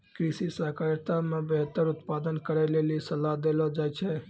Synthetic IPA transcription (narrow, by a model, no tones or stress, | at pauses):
kɾisisakəɾjt̪amebeɦət̪ːəɾut̪pad̪ənkəɾɛlelisəlad̪elɔd͡ʒajt͡ʃʰɛ